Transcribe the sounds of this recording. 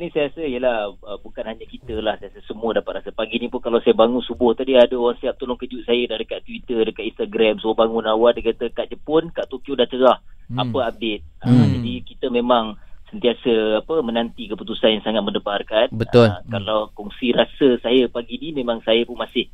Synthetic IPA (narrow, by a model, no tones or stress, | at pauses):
nĩsajɾasəijəlahəbukanhaɲakit̪əlahsajasəsəmuədapat̪̚rasəpaɡinĩpʊnkalawsajəbaŋʊnsubʊht̪adiadəowaŋsaap̚t̪olʊŋkəd͡ʒuʔ̪̚sajədadəkat̪ːwit̪ədəkat̪inst̪aɡɾamsubobaŋʊnawadəkat̪əkaʔ̚d͡ʒəpʊnkaʔt̪okjodaht͡ʃəɾahapəab̚det̪̚əd͡ʒadikit̪əmẽmaŋsənt̪iasəapəmənant̪ikəput̪usanjaŋsaŋat̪̚mə̃nəbarkanbəlkalawkɔŋsiɾasəsajəpaɡinimẽmãŋsajəpʊnmasɪh